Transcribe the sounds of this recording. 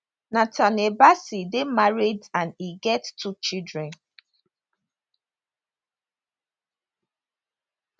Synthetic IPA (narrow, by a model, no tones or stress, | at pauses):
natʰanebasidemaɹidãniɡɛttʰːut͡ʃidɹɛ̃n